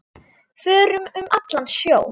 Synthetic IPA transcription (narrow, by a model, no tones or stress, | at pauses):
fœːɾʏmʏmʔat̪lant̪sjoːw